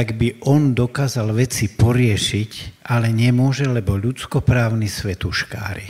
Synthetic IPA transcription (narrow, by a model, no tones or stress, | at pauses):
aɡbiʔɔnd̪ɔkaːzalʋɛt͡sipɔɾɪɛʃicalɛɲɛmʊɔʒɛlɛbɔʎut͡skɔpɾaːʊnisʋɛt̪uʃka̰ːɾḭ